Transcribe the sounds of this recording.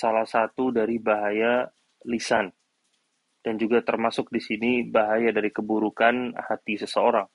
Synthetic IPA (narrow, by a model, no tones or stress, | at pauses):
salahsat̪udaɾibaɦaja | lisan | d̥and͡ʒuɡat̪ərmasʊk̚disinibaɦajadaɾikəbuɾukanhat̪isəsəoɾaŋ